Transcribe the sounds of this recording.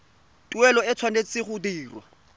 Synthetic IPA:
tʼuɛlɔɪt͡sʰwanet͡sʼɪχʊdiːrwa

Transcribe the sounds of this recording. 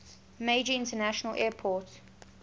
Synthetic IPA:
meɪd͡ʒəɪ̃ntənæʃənəlʔɛːpʰɔˑt

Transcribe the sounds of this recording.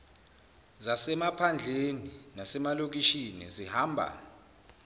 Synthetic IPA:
zasɛmapʰand͡ɮʱeninasɛmalok̬iʃinḭzihaːmbʱa̰

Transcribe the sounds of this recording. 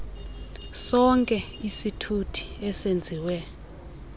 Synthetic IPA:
sɔŋkʼɛ | isitʰutʰi̥ɛsend͡zʱiwɛ

